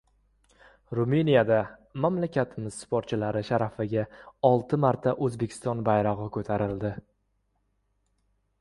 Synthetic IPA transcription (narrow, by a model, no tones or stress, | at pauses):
ɾumenijad̪amamlakʲʰat̪ʰɪmɪz̥spʰoɾt̪̚t͡ʃʰɪlaɾɪʃaɾafɪɡʲaɒlˠt̪ʰɪmaɾt̪ʰaʔɵzbe̞kʲʰɪ̥st̪ɒnbajɾɒʁɨkʰɵt̪ʰaɾɪld̪ɪ